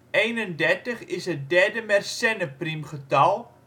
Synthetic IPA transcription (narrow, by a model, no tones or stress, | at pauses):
ʔejnəndɛrtəχɪsɦət̚dɛrdəmɛrsɛnəprimχətɑlˠ